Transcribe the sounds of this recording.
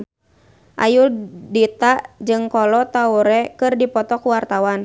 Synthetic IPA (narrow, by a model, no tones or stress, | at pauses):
ʔa̰juldit̪aʔd͡ʒɨŋkɔlɔt̪auɾɛkɨrdipɔt̪ɔkuwart̪awan